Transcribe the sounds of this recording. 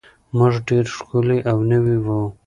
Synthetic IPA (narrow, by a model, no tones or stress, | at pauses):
məʐɖeɾʂkuliʔawnəwiwu